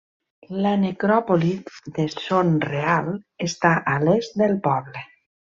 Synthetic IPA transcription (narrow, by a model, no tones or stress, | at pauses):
lanekɾɔpolitðesonrealˠest̪aʔalezd̪elˠpɔβle